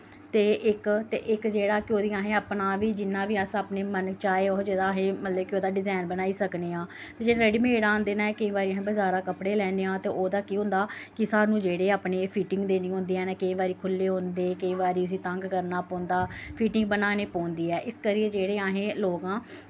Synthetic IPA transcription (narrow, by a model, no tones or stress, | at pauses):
t̪eːʔɪkt̪ḛːʔɪkd͡ʒeːɽaːkɪoːd̪iːaːɦẽːaːpnaːʋiːd͡ʒɪnːãːʋiːaːsaːpneːmənkt͡ʃaːeːɔːɾd͡ʒeːd̪aːɦẽːmət̪ləb̚kɪoːd̪aːɖɪzaːnbənaːiːsəkneːãː | t̪eːd͡ʒeːɾeːɖiːmːeːɽaːõnd̪eːnaːɛːkəĩːbaːɾiːaːɦẽːbəzaːɾaːkəpɽeːlɛːneːãːt̪eːʔoːd̪aːkiɦʊ̃nd̪aːkɪsaːnũːd͡ʒeːɽeːaːpneːpʰiːʈɪ̃ŋɡd̪eːnĩːɦõːnd̪eːɛ̃ːnɛːkəĩːʋaːɾiːkʰʊlːeːɦõːnd̪eːkəĩːʋaːɾiːʊs̬iːt̪ə̃ŋɡkəɾnaːpɔ̃ːnd̪aːpʰiːʈɪŋɡ̚bənaːneːpɔːnd̪iːɛːʔɪskəɾiːed͡ʒeːɽeːaːɦẽːloːɡãː